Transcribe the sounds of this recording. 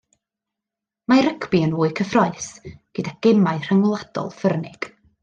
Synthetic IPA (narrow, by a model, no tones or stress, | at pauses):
maɾəkʰbiənvuːɨkʰəfrɔɨsɡ̥ədaɡ̥ɛmaɨr̥aŋlˠad̥ɔ̰lˠfərnɪɡ̥